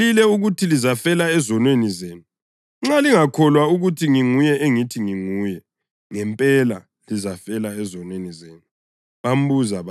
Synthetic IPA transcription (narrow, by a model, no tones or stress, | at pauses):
ilɛuɣutʰilizafɛlaɛzɔnwenizeːnu | ŋ͡ǁaliŋakʰɔlwauɣutʰiŋiŋujɛʔeŋitʰiŋiŋuːjɛ | ŋɛmpʼɛla | lizafɛlaɛzɔnwenizeːnu | βam̩buzaβa